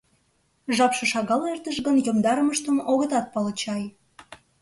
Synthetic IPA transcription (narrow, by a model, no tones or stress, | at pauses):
ʒɑpʃə̆ʃɑɣɑlert̪əʃɣənjomd̪ɑɾəməʃt̪əmoɣət̪ɑt̪̚pɑlə̆t͡ɕɑj